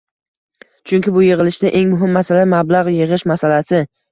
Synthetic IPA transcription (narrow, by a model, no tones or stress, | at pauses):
t͡ʃʰʊŋʲkʲɪbʊjɪʁɨlɪʃd̪aʔe̞ŋmʊɦɪmːasalamablˠaʁjɪʁɨʃmasalasɪ